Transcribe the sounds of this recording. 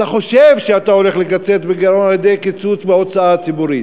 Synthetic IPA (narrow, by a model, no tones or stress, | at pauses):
t̪aχo̞ʃevʃeat̪ao̞le̞χleɡat͡set̪beɡaɾonaljed̪e̞jkit͡sut͡sbeo̞t͡saat͡sibuʁit